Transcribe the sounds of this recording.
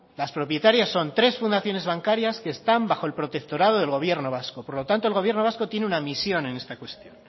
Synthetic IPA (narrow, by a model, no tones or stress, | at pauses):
laspɾo̞pje̞t̪aɾjasːo̞nt̪ɾe̞sfund̪aθjo̞ne̞zβaŋkaɾjaske̞ːst̪ambaxo̞e̞lpɾo̞t̪e̞kt̪o̞ɾað̞oðe̞lɣo̞β̞je̞ɾno̞βaskopo̞ɾlo̞t̪ant̪olɣ̞o̞βje̞ɾno̞βasko̞t̪je̞neunamisjo̞ne̞ne̞st̪akwe̞st̪jo̞n